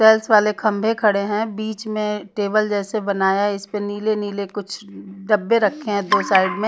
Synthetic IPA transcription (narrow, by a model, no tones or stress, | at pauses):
ɛːlsʋaːlekʰɐ̃mbʱẽkʰɐɽeɦɛ̃biːt͡ʃmẽʈeːbəld͡ʒɛːsebɐnaːjaɪspəniːleniːlekʊt͡ʃʰɖɐbːeɾɐkʰːeɦɛ̃d̪oːsaːɪɖmẽ